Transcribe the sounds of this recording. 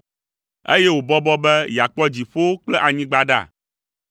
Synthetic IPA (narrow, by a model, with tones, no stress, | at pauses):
ḛ˦je˦wo˨bɔ˦bɔ˦bɛ˦ja˨k͡pɔ˦d͡ʑi˨ɸo˦klɛ˦ʔa˨ɲĩ˦ɡ͡ba˦ɖa̰˦˨